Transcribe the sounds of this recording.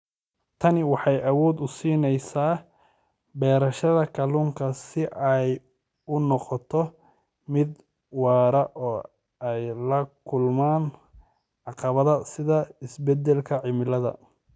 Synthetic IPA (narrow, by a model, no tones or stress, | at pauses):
t̪ʰɐnɪwɑħɑjɐwɔːd̪ʊsiːnɛjsaː | bɛːɾɐʃɐðɐkʰɐluŋkʰɐsɪʔɛj | ʊnɔqɔt̪ʰɔ | mɪd̪ | wɑːɾɐʔɔː | ɛjlɐkʰʊlmaːn | ʕɑqɑβɐðɐsɪðɐɪsbɛd̪ɛlkʰɐʕɪmɪlɐðɐ̰